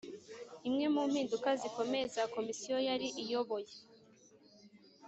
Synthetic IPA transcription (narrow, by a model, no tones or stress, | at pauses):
imŋe̞muːm̥hiːndukaziko̞me̞ezako̞misijo̞jaɾiʔijo̞βo̞je